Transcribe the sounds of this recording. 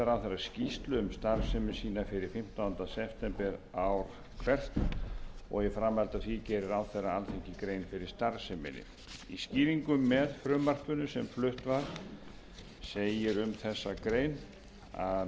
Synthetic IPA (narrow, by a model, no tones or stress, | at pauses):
ɾawθɛɾːascist̪lʏʏmst̪aɾsɛmɪsiːnafɪɾɪɾ̥fɪm̥t̪aːnt̪asɛpt̪ɛmpɛɾawɾ̥ | kʰvɛr̥t̪ɔ̰ɣjɛfɾamːɛlt̪aðθicɛːɾɪɾawθɛrːaanθeɲcɪkɾejnfɪɾɪɾ̥st̪aɾsɛmɪ̰nɪ̰ | isciːviŋkʏmːɛðfɾʏːmar̥t̪ʏnʏsɛmflʏht̪vaɾ̥ | seːjɪɾʏmθɛsːakɾeːjn | a̰